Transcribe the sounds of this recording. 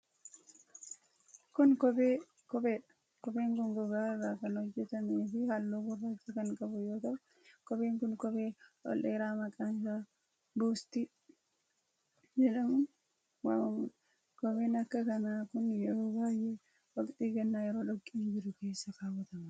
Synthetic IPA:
kʊnkɔbeː | kɔbeːᶑɐ̥ | kɔbeːŋkʊŋɡʊɡaːɪrːaːkɐnhɔd͡ʒːɛt̪ɐmeːfɪhalːoːbʊrːaːt͡ʃːɐkɐŋkʼɐbʊjoːt̪ɐʔʊ | kɔbeːŋkʊnkɔbeːʔɔ̰lʔeːɾaːmɐkʼaːnsaː | buːst̪i | d͡ʒɛlɐm | waːmʊᶑ | kɔbeːnɐkːɐkɐnaːkʊnjɛɾoːbaːjɛ | wɐkʼt̪ʼiːɡɐnːaːjɛɾo̞ːᶑɔkʼːɪnd͡ʒɪɾʊke̞ːsːɐkaːwɐt̪ɐmɐ

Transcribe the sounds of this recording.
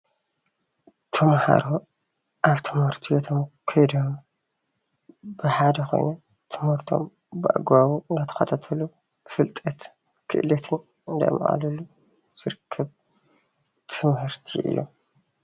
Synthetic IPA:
t̪ʰɐmha̰ɾo | ʔaβt̪ʰɨmhɨɾt̪ʰiwot̪ʰomkʰɐjd̪om | bɨħad̪ɐxo̞̰jno | t̪ʰɨmhɨɾt̪ʰo̰m | bɨʔa̰ɡwawuɨnd̪at̪ʰɐ̥xɐt̪ʰat̪ʰɐlu | fɨlt̪ʼɐt̪ | kʰɨ̰ʔlɐt̪ʰɨn | ɨnd̪a̰jmʔʔa̰lɐlu | z̥ɨɾɨkʰːɐβ | t̪ʰɨmhɨɾt̪ʰḭʔɨ̰jːo̰

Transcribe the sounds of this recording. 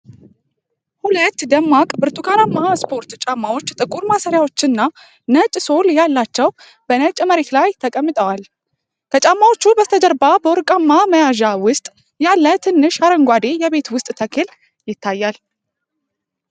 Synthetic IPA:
hulət̪ːd̪əmːakʼbɨɾt̪ʼukʰaɾamːaspʰo̞ɾt̪t͡ʃʼamːawo̞t͡ʃːt̪ʼɨkʼuɾmasəɾjawo̞t͡ʃːɨnːa | nət͡ʃʼso̞ljalːat͡ʃːɛw | b̥ənət͡ʃʼməɾet̪lajt̪ʰəkʼəmːɨt̪ʼəwal | k̪ʰət͡ʃʼamːawo̞t͡ʃːubəst̪ʰəd͡ʒəɾbabəwɔɾkʼamːaməjaʒawʊst̪ʼ | jalːət̪ʰɨnːɨʃaɾəŋɡʷad̪e̞jɛβe̞t̪wʊst̪ʼt̪ʰəkʰɨl | jɪt̪ʰːajːal

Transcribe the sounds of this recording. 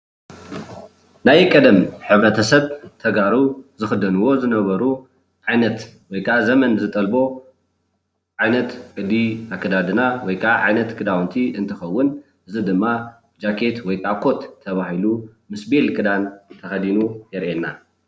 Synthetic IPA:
najkʼɐd̪ɐmħɨβɾɐt̪ʰɐsɐβt̪ʰɐɡaɾuzɨxɨd̪ɐnuwo̞zɨnɐβɐɾu | ʕajnɐt̪wɔjkʰaʔazɐmɐnzɨt̪ʼɐlbo̞ | ʕajnɐt̪kʼɨd̪iakʰːɐd̪ad̪ɨnawɔjkʰaʔaʕajnɐt̪kʰɨd̪awnt̪ʰiʔɨnt̪ʰɨxɐwːʊn | ʔɨzɨd̪ɨmːa | d͡ʒakʰe̞t̪wɔjt̪ʼakʰo̞t̪ʰːɐβahilumɨsbelkʼɨd̪ant̪ʰɐxɐd̪inujɛɾʔenːa

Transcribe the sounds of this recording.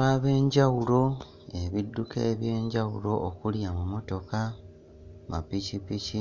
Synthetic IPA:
aβe̞ːɲɟawulo̞ | e̞βidːuke̞ːβje̞ːɲɟawulo̞ʔːkuljamumo̞to̞ka | ma̰picipici

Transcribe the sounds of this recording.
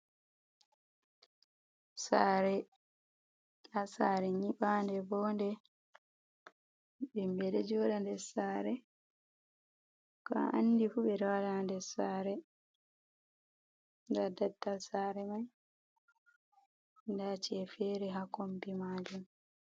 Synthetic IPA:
saːɾɛ | asaːɾɛɲiɓaːndɛbɔːndɛ | ɓɛmbɛɗɛd͡ʒɔːɗandɛsaːɾɛ | ka̰ʔa̰nːdifuɓɛɾawalandɛsaːɾɛ | ndadatːalsaːɾɛmaj | ndaːt͡ʃɛfɛːɾɛɦakombimaːd͡ʒum

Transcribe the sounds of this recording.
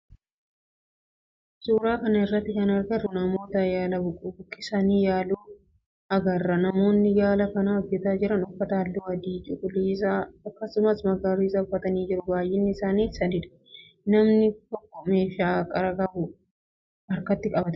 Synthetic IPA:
suːɾaːkɐnɐɪrːɐt̪ːɪkɐnɐɾɡɐrːʊnɐmo̞ːt̪ɐjaːlɐbʊkʼʊbʊkʼːɪsɐniːjaːluː | ɐɡɐrːɐnɐmo̞ːnːɪjaːlɐkɐnaːɔd͡ʒːɛt̪aːd͡ʒɪɾɐnʊfːɐt̪ɐɐlːuwɐd̪iːt͡ʃʼʊkʼʊliːs̬aːɐkːɐsʊmɐsmɐɡaːɾiːsɐʊfːɐt̪ɐniːd͡ʒɪɾʊbaːjːɪnːɪɪsaːniːsɐd̪ɪᶑ̪ɐ̥ | nɐmnɪt̪ɔkːɔme̞ːʃaːkʼɐɾɐkɐbʊ | ɐɾkɐt̪ːɪkʼɐbɐt̪

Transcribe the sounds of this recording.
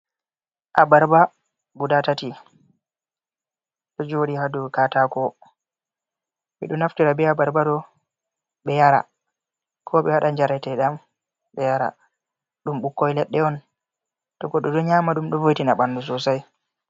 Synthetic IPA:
ʔabaɾba | ɡudatati | ɗɔd͡ʒoɗihadukatakɔ | mɛ̰ɗunaftiɾabɛabaɾbadɔ | ɓɛjaɾa̰ | kʰɔɓɛwaɗaɲd͡ʒaɾajtɛɗam | ɓɛjaɾa̰ | ɗumɓukːɔjlɛɗːɛɔn | tɔɡɔɗɔdɔɲamaɗumɗɔvojtinaɓandus̬ɔsaj

